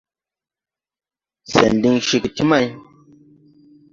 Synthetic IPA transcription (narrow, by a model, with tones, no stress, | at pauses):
sḛ˨n˨di˧ŋʃi˨ki˨ti˦ma˦j